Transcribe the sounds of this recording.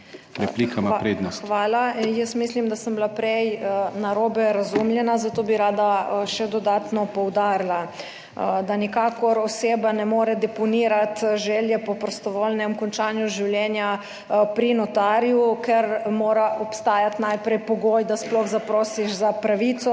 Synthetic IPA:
ɾɛplikamapɾeːd̪nɔxʋaːlajəst̪mislimd̪asəmblapɾɛjnaɾoːbɛɾazumljɛnazat̪oːbiɾaːd̪aʃɛd̪ɔd̪aːt̪nɔpɔwd̪aːɾla | d̪anikaːkɔɾɔseːbanɛmoːɾɛd̪ɛpɔniːɾat̪ʒɛljɛpɔpɾɔst̪ɔʋoːlnɛmkɔnt͡ʃaːnjuʒiwljɛːnja | pɾinɔt̪aːɾjukɛɾmoːɾaɔpst̪aːjat̪najpɾɛjpɔɡoːjd̪asplɔxzapɾoːsiʃzapɾaʋit̪sɔ

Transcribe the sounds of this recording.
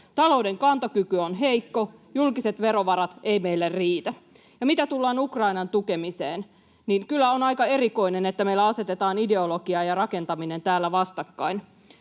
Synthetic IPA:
t̪ɑlo̞ude̞ŋkɑnt̪ɑkykyonɦe̞jkːo̞julkise̞t̪ʋe̞ɾo̞ʋɑɾɑt̪ejme̞jlːærriːt̪æ | jɑmit̪æt̪ulːɑːnukrɑjnɑnt̪uke̞miseːn | niŋkylːæonɑjkɑe̞ɾiko̞ine̞net̪ːæmeilːæɑset̪e̞t̪ɑːnide̞oloɡ̥iɑjɑrɑke̞nt̪ɑmine̞nt̪æːlːæʋɑst̪ɑkːɑin

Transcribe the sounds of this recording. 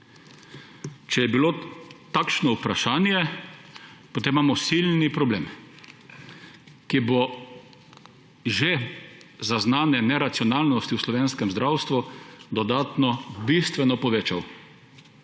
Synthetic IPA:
t͡ʃɛjɛbilot̪akʃnɔupɾaʃaːnjɛ | pɔt̪eːmːaːmɔsilnipɾɔblḛːm | kibo | ʒezaznaːnɛnɛɾat̪siɔnaːlnɔst̪iwslɔʋeːnskɛmzd̪ɾawst̪ʋud̪ɔd̪aːt̪nɔbist̪ʋɛnɔpɔʋeːt͡ʃaw

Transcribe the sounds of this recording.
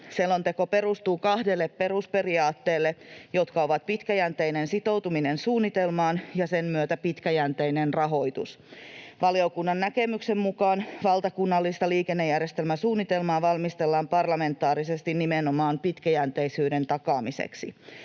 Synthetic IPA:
selːont̪eko̞pe̞ɾust̪uːkɑhde̞lːeppe̞ruspe̞riɑːt̪ːeːlːejo̞t̪kɑo̞ʋɑt̪pit̪kæjænt̪ejnensit̪o̞wt̪uminensuːnːit̪elmɑːnjɑsemmyøt̪æpit̪kæjænt̪ejnenrɑɦo̞jt̪ṵs | ʋɑliokunːɑnːækemyksemmukɑːnʋɑlt̪ɑkunːɑlːist̪ɑliːkenːe̞jærjest̪e̞lmæsuːnːit̪e̞lmɑːʋɑlmist̪elːɑːmpɑrlɑme̞nt̪ːˑɑːɾisest̪innimenomɑːnpit̪kæjænt̪eisyːde̞nt̪ɑkɑːmisḛksḭ

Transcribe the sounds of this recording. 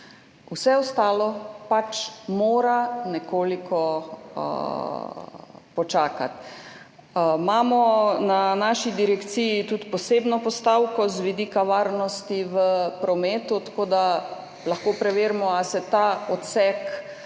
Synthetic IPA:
usɛɔst̪aːlɔpat͡ʃmoːɾanɛkoːlikɔ̰ | pɔt͡ʃaːka̰t̪ | maːmɔnanaːʃid̪iɾɛkt̪sijit̪ut̪pɔsebnɔpɔst̪awkɔzʋid̪ikaʋaːɾnɔst̪iʋəpɾɔmeːt̪ut̪ḁkoːd̪a | lɐxkoːpɾɛʋeːɾmɔasɛt̪aɔt̪sɛk

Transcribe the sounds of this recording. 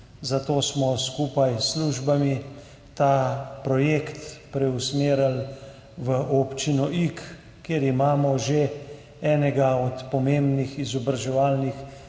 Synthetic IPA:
zat̪oːsmɔskuːpajsluːʒbami | t̪aːpɾɔjeːkt̪pɾɛusmeːɾal | ʋəʔoːpt͡ʃinɔʔik | kːeɾimaːmɔʒe | ɛːnɛɡaɔt̪pɔmembnixizɔbɾaʒɛʋaːlnix

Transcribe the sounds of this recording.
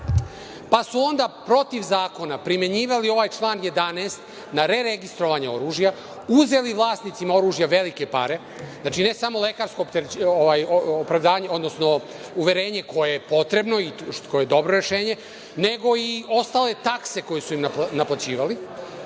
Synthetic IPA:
pasuo̞nd̪apɾo̞t̪iʋzaːko̞napɾime̞ɲiːʋalio̞ʋaːjt͡ʃlˠaːnje̞d̪aneːst̪ | naɾe̞ɾeɡist̪ɾo̞ʋaɲeo̞̰ɾuːʒja | uze̞liʋlˠaːsnit̪simao̞ɾuːʒjaʋe̞likepaɾe̞ | znaːt͡ʃine̞samo̞le̞kaːɾsko̞pt̪oʋajoːpɾaʋd̪aːɲeo̞d̪nosno̞ | uʋe̞ɾe̞ːɲe̞ko̞jejepo̞t̪ɾe̞bno̞ikojed̪o̞bɾoɾeʃe̞ːɲe̞ | ne̞ɡo̞io̞st̪aːle̞t̪akse̞ko̞jesuimanaplˠat͡ɕiːʋali

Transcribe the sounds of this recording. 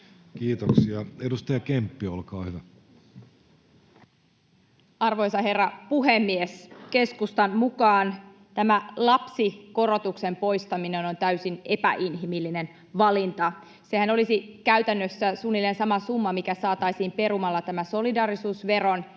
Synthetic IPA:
kiːt̪oksiɑedust̪ɑjɑkempːiolkɑːhyʋæ | ɑrʋo̞jsɑɦe̞rːɑpuɦemːieske̞skust̪ɑnmukɑːn | t̪æmælɑpsiko̞rot̪ukse̞mpo̞jst̪ɑmineno̞nt̪æysinepæ̰ʔinɦimilːinen | ʋɑlint̪ɑ | se̞hæno̞lisikæyt̪ænːøsːæsuːnːilːensɑmɑsumːɑmikæsɑːt̪ɑisiːmpe̞rumɑlːɑt̪æmæso̞lidɑːɾisuːsʋe̞ro̞n

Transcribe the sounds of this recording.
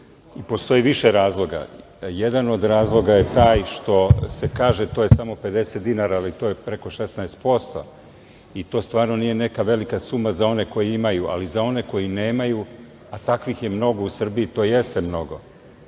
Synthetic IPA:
ipo̞st̪o̞jiʋiʃeɾaːzlˠo̞ɡa̰ | jed̪ano̞d̪ɾaːzlˠo̞ɡaje̞t̪aːjʃt̪o̞se̞kaːʒet̪oje̞samo̞pe̞d̪e̞set̪̚d̪inaːɾaːlit̪o̞ːjepɾe̞ko̞ʃesnaest̪̚po̞st̪o̞̰ | it̪o̞ːst̪ʋaːɾno̞nijene̞kaʋe̞likasumazao̞ne̞ko̞jiimajuʔa̰lizao̞ne̞ko̞jine̞ːmaju | at̪akʋixje̞mno̞ɡo̞usr̩biit̪o̞ːje̞st̪emno̞ɡo̞

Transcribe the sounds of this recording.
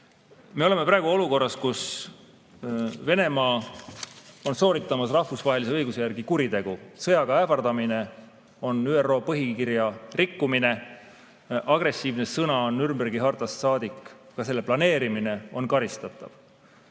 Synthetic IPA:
me̞o̞le̞me̞prɑːeɡuo̞luko̞rːɑskus | ve̞ne̞mɑː | o̞nso̞ːɾit̪ˑːɑmɑsrɑhfusvɑɦe̞lise̞ɤjɡuse̞jæɾɡ̥ikuɾit̪e̞ɡ̥usɤ̞jɑɡɑæːfɑrd̪ɑmine̞ | o̞nyːero̞ːpɤɦikirjɑrikːumine̞ | ʔɑɡ̥re̞sːiːvne̞sɤnɑonːyɾmberɡiɦɑrt̪ɑsːɑːd̪̥ikːkɑse̞lːeplɑne̞ːɾimine̞o̞nkɑɾist̪ɑt̪ːˑɑ̰v̥

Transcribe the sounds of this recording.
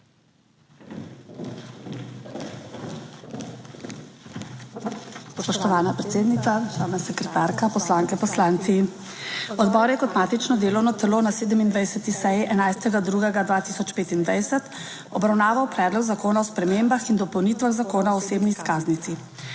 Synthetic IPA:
spɔʃt̪ɔʋaːnapɾɛt̪seːd̪nit̪saʒaːwnasɛkɾɛt̪aːɾkapɔslaːŋkɛpɔslant̪si | ɔd̪bɔɾjɛkɔt̪maːt̪it͡ʃnɔd̪eːlɔwnɔt̪ɛloːnaseːd̪əmind̪ʋajsɛt̪isɛjiʔɛnajst̪ɛɡad̪ɾuːɡɛɡad̪ʋaːt̪isɔt͡ʃpeːt̪ind̪ʋajsɛt̪ | ɔbɾawnaːʋawpɾɛːd̪lɔɡzakoːnaɔspɾɛmembaxind̪ɔpɔwniːt̪ʋaɣzakoːnaɔɔseːbniːskaːznit̪si

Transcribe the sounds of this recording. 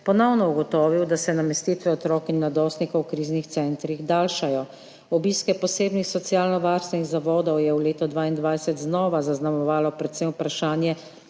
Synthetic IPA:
pɔnɔwnɔuɡɔt̪ɔːʋiwd̪asɛnamɛst̪it̪ʋɛɔt̪ɾɔːkinːad̪ɔst̪nikɔwkɾiːznixt̪sɛnt̪ɾiɣd̪aːlʃajɔ | ɔbiːskɛpɔseːbnixsɔt̪sjaːlnɔʋaɾst̪ʋɛniɣzaʋɔːd̪ɔwjɛwleːt̪ɔd̪ʋaːind̪ʋajsɛt̪znɔːʋazaznamɔʋaːlɔpɾɛt̪sɛjmpɾaʃaːnjɛ

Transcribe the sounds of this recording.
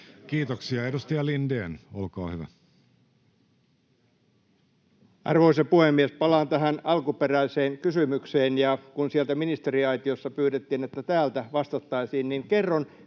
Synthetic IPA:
kiːt̪oksiɑedust̪iɑlindeːnolkɑ̰ːhyʋæ̰ | ɑ̰rʋo̞isɑpuhemːiespɑlɑːnt̪æɦænɑlkuperæiseːŋkysymykseːnjɑkunsielt̪æminist̪eɾiɑjt̪iosːɑpyːɾet̪ːiːnet̪ːæt̪æːlt̪æʋɑst̪ɑt̪ːɑisiːnniŋkerːon

